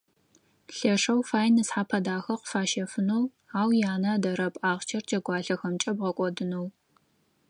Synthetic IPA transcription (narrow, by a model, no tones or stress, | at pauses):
ɬɐʂɐwfaːjnɨsħaːpʰɐdaːxɐqʷʊfaːʃɐfɨnow | aːwjaːnɐdɐɾɐpʼʔaːʁt͡ʃʰɐrd͡ʒɐɡʷɑːɬɐxɐmt͡ʃʼɐbʁɐkʷʼɔdɨnow